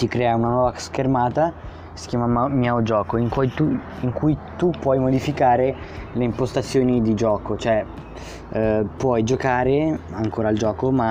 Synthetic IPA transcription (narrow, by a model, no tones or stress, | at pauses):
t̪ikɾɛːaunanwɔːvaskermaːt̪a | si̥kʲjaːmamjɛod͡ʒɔːkoiŋkujt̪u | iŋkujt̪upːwɔjmod̪ifikaːɾeleimpost̪at̪sːjoːnid̪id͡ʒɔːkot͡ʃoɛ | pwɔjd͡ʒokaːɾeaŋkoːɾald͡ʒɔːkoma